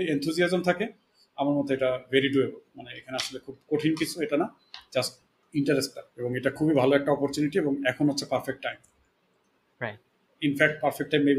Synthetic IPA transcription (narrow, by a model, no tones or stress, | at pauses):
ent̪ʰuziazomt̪ʰake | amaɾmɔt̪oeʈaveɾiʈuebomaneekʰaneaʃolekʰub̚koʈʰinkit͡ɕʰueʈana | d͡ʑasʈ̚ | iɳʈaɾesʈːaeboŋeʈakʰubibʱaloɛk̚ʈaɔpoɾt͡ɕuniʈieboŋɛkʰonɦotːɕʰepaɾfek̚ʈːajm | a | infʰɛk̚ʈ̚paɾfek̚ʈːajmːejbi